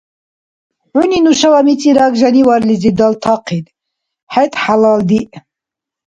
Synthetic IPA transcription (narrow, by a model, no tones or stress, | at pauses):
ʕuninuʃawamit͡sʼiɾaɡʒaniwaɾlid͡zid̪alt̪ʰaqʰid̪ | ħɛt̪ʼħalald̪iʔ